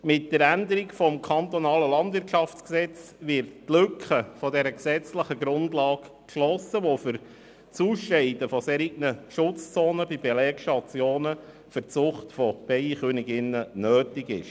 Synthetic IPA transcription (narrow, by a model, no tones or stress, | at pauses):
mɪt̚dəɾændəɾikfɔmkʰɑnt̪ɔnɑːləlɑndʋɪrtʃɑft͡sksɛt͡s | ʋɪrttlʏkχəfɔdɛɾəksɛt͡sləχəɡɾʊndlɑːkkʃlɔsəʋofʏɾ | t͡suːʃɛɪdəfɔseːɾiɡnəʃʊt͡st͡soːnəbib̥ɛlɛːkʃtɑt͡sjoːnə | fʏrt͡sʊχtfɔb̥ɛɪχønɪɡɪnːənøːtɪɡɪ̰ʃ